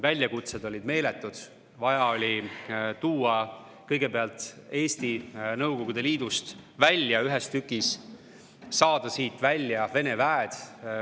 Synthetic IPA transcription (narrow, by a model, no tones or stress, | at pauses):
vælʲjɑkut̪se̞d̪̥o̞lʲid̪me̞ːle̞t̪ːˑud̪̥ | vɑjɑo̞lʲit̪uːɑ | kɤjɡ̥e̞peɑlt̪ˑe̞ːst̪inɤwko̞ɡud̪e̞liːd̪̥ust̪vælʲjɑyɦest̪ykːˑis | sɑːd̪̥ɑsiːt̪vælʲːjɑve̞ne̞væed̪̥